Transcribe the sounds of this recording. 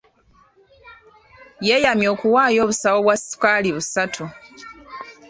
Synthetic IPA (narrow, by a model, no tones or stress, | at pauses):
je̞jamjo̞ːkuwaːjo̞ːβusawo̞βwasi̥kaliβusatʰu